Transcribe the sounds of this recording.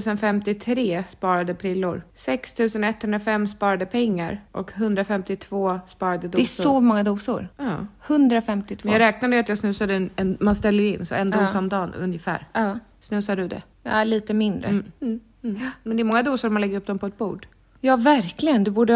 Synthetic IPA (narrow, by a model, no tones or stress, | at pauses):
sənfɛmt̪ɪt̪ʰɾeːspɑːɾad̪əpʰɾɪlːʊ̰ɾsɛkst̪ʰʉ̟ːsənɛt̪ːhɵnd̪ɾafɛmːspɑːɾad̪əpʰɛŋːa̰ɾʔɔkɦɵnd̪ɾafɛmt̪ɪt̪ʰv̥oːspɑːɾad̪əd̪ɛssɔmɔŋːad̪uːsʊ̰ɾɑːhɵnd̪ɾafɛmt̪ɪt̪ʰvjɑːɡɾɛːk̚nad̪əɾat̪jɑsnɵːsad̪ənɛmanst̪ɛlːəɾɪnːsɔ̰ɛnd̪uːsɔmd̪ɑːnɵ̰njəfæ̰ːɾ | snɵːsad̪ɵd̪ɛ̰ | a̰liːt̪əmɪnd̪ɾə̰ | mɛnd̪ɛɾmɔŋːad̪uːsʊɾmanlɛɡːəɾɵp̚ːd̪ɔmpʰɔɛt̪̚bṵːɖ | jɑːvæɾklɪɡənd̪ɵbuːɖə